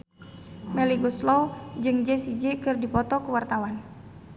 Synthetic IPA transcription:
mɛliɡɔslɔwd͡ʒɨŋd͡ʒɛsid͡ʒikɨrdipɔt̪ɔkuwart̪awan

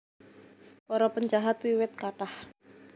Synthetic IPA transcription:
pɔɾɔpəɲd͡ʒaɦat̪̚wiwɪt̪̚kaʈah

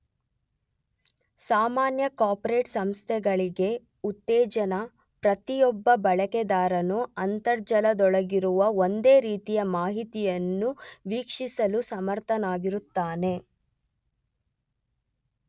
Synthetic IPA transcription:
saːmaːnjɐkaːpɔɾe̞ːʈsɐmst̪ʰɛɡɐɭiɡe̞ | ut̪ːɛːd͡ʒɐnɐ | pɾɐt̪ijɔbːɐbɐɭɐkɛd̪aːɾɐnuɐnt̪ɐɾd͡ʒɐlɐd̪ɔɭɐɡiɾuʋɐo̞nd̪e̞ːɾiːt̪ijɐmaːɦit̪ijɐnːuʋiːkʂisɐlusɐmɐɾt̪ʰɐnaːɡiɾut̪ːaːne̞

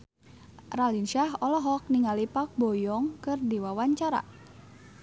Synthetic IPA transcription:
ralinʃaɦɔlɔɦɔk̚niŋalipak̚bɔjɔŋkɨrdiwawaɲt͡ʃaɾa̰

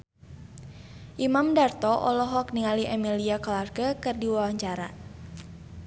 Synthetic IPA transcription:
ʔimamdart̪ɔʔɔ̰lɔɦɔkniŋaliʔɛmiliakɔlarɡəkɨrdiwawaɲt͡ʃaɾa̰

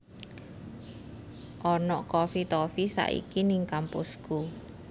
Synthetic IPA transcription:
ʔɔnɔkɔfit̪ɔfisa̰ʔḭkiniŋkampusku

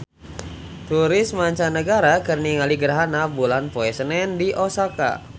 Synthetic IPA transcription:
t̪uɾɪsmaɲt͡ʃanəɡaɾakərniŋaliɡəɾɦanabulanpoɛsənɛndiʔosaka̰

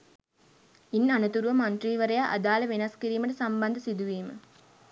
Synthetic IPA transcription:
inːanɐt̪uɾuʋɐmɐnt̪riːʋɐɾɐjaʔɐ̰d̪aːlɐʋenɐskiɾiːməʈəsambɐnd̪əsid̪uʋiːmə̰

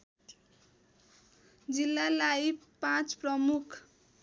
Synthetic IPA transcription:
d͡zilːalaipãt͡sprʌmukʰ

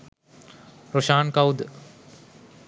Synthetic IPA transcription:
ɾoʃaːnkawd̪

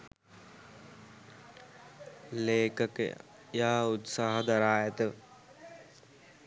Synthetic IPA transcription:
leːkək | jaːaut̪saːɦɐd̪aɾaːjət̪ə

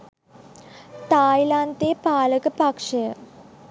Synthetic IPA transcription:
t̪aːjilant̪eːpaːləkəpakʂɐjə

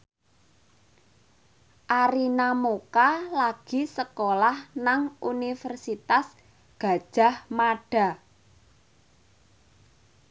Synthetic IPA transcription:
ʔaɾinamokalaɡ̥i̤səkolahnaŋunifərsit̪as | ɡ̥a̤d̥ʒ̥a̤hmaɖ̥a̤

